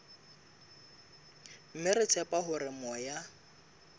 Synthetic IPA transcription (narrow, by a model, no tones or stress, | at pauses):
m̩mɪɾɪt͡sʰɛpʼaɦʊɾɪmɔja